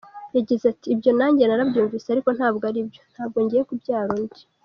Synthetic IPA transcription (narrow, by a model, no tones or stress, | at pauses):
jaɟezatiːbjo̞naːɲɟe̞naɾabjuːɱviːseaɾiko̞n̥haːbɡaɾibjo̞n̥haːb̚ɡo̞ɲɟijekubɟaːɾoɲde